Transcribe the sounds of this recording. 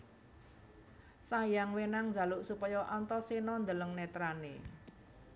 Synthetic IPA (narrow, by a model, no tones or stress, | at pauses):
sajaŋwenaŋnd͡ʒa̤luʔsupɔjɔʔɔnt̪ɔsinɔnd̪ələŋnɛt̪ɾanḛ